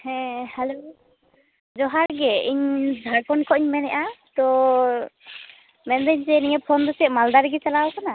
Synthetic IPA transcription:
hɛ̃hɛlo | d͡ʒɔɦaɾɡɛiɲzʱaɾkɔnkʰɔʔɲmɛnɛʔat̪ɔ | mɛnd̪ɛɲd͡ʒɛniɲapʰɔnd̪ɔsɛʔmald̪aɾɛɡɛt͡ʃalawkana

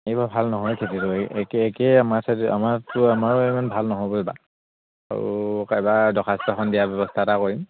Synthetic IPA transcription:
ejbabʱalnɔɦɔjkʰetitʊkɛkɛamasada̰maɹtʊamaɹɔejmanbʱalnɔɦɔbɔiba̰ | a̰ɹṵkajbadɔkʰastɔxɔndijabɔbɔstʰatakoɹim

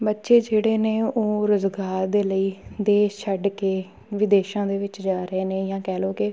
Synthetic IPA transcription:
bətːʃeːd͡ʒeːɽeːneːoːɾʊzɡaːɾd̪eːləiːd̪eːt͡ʃʰəɖkeː | ʋɪd̪eːʃãːd̪eːʋɪt͡ʃd͡ʒaːɾəeːneːjãːkɛːloːkɪ

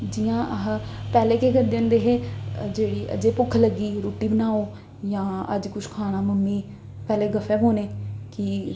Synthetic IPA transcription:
d͡ʒɪjãːəɦ | pɛːleːkeːkəɾd̪eond̪eːɦeːd͡ʒeːɽiːə̰d͡ʒeːpʊkʰːləɡiːɾoːʈiːbənaːoː | jãːə̰d͡ʒkʊʃʰkʰaːnaːməmːiː | pɛːleːɡəfɛːɦoːneːkɪ

